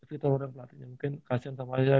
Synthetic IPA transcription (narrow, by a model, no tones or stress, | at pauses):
sit̪ɔlɔɾjaŋpəlat̪iɲamuŋkɪnkasiansamad͡ʒa